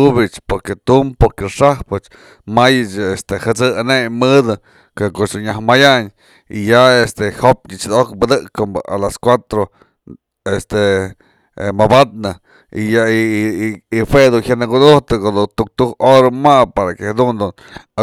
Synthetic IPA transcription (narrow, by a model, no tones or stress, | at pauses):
ubit͡ʃpoɾket̪umpoɾkeʂahpɨt͡ʃ | majɨt͡ʃest̪ehɨt͡sɨanemɨd̪ɨ | kokoʔt͡ʃd̪unɲːahmajaɲ | ḭjaest̪ehop̚ɲɨt͡ʃd̪okbɨd̪ɨʔkɨmbɨʔalaskʷwat̪ɾo | est̪e | mabat̪̚nɨ | ḭja | ihwed̪unçaʔnakud̪uht̪ɨkod̪ut̪uk̚t̪uhoɾamapaɾakehad̪und̪un | a